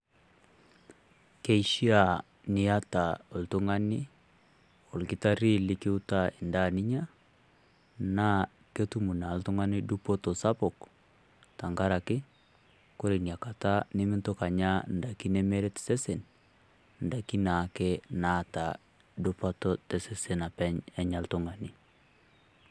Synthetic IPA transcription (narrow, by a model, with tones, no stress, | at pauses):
ke˦i˨ʃi˦a˨ | ni˦a˦ta˨o˨ltu˦ŋa˦ni˦ | o˨lki˦ta˦ɾi˦li˦ki˦u˦ta˦e˨nda˦˨ni˦ɲa˦ | na˦ | ke˦tu˦mu˨na˨ltu˦ŋa˦ni˦du˦pɔ˦to˨sa˦pɔ˨k | ta˨ŋɡa˦ɾa˨kɪ˦ | ko˦ɾe˨nja˨ka˨ta˦ne˦mɪ˦nto˦ka˨ɲa˦n̩˨da˨ki˦ne˦me˦ɾe˦tɛ̥˨se˦se˨n | n̩˨da˨ki˦na˨kɛ˦na˦˨ta˨ | du˦pa˦tɔ˦tɛ˨se˦se˨na˨pɛ˦ɲɛ˦ɲa˨ltu˦ŋa˨ni˦